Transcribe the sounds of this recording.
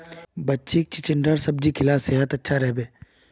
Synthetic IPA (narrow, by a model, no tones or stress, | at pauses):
bɐtːʃik̚t͡ʃɪt͡ʃɪɳɖəɾsɐb̚d͡ʒikʰɪlaːseːɦət̪ɐtːʃʰaɾɛɦbeː